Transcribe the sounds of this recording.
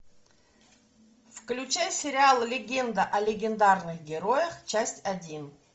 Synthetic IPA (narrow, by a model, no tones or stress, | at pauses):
fklʲʉt͡ɕæjsʲɪɾʲɪalˠlʲɪɡʲend̪əʔɐlʲɪɡʲɪnd̪arnɨxɡʲɪɾo̞jəxt͡ɕæsʲtʲɐdʲin